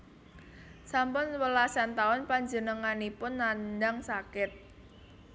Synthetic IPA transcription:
sampʊnwəlasant̪aʊnpaɲd͡ʒənəŋanipʊnːandaŋsakɪt̪̚

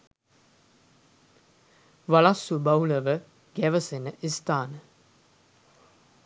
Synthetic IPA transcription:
ʋaɭasːubawləʋə | ɡæʋəsenːəʔist̪aːnə

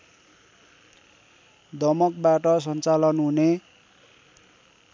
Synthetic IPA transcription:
d̪ʌmʌk̚baʈʌs̬ʌnt͡salʌnɦune

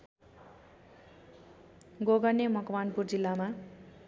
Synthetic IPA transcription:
ɡoɡʌnemʌkwanpurd͡zilːama

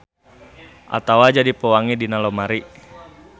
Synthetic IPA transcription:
ʔa̰t̪awad͡ʒadipəwaŋidinalɔmaɾi

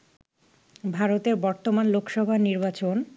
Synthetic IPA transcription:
bʱaɾot̪eɾbɔɾt̪omanlokʃɔbʱaniɾbat͡ɕon

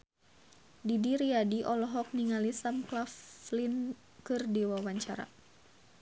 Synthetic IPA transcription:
didiɾiadiʔɔlɔɦɔk̚niŋalisamklaflin | kɨrdiwawaɲt͡ʃa̰ɾa̰

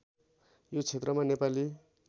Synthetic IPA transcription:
jot͡sʰet̪rʌmanepali

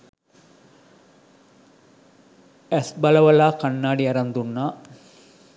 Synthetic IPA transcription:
æsbɐlɐʋɐlaːkɐnːaːɖiɐɾɐnd̪unːaː

